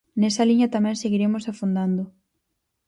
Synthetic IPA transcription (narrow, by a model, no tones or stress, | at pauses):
nɛsɐliɲɐt̪amɛ̃ŋseɣiɾemʊsafund̪and̪ʊ